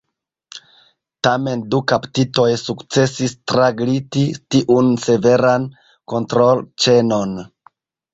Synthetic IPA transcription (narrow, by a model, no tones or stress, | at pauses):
tame̞ndukaptito̞jsukt͡se̞sistɾaɡlititiʔunse̞ve̞ɾan | ko̞ntɾo̞lt͡ʃe̞no̞n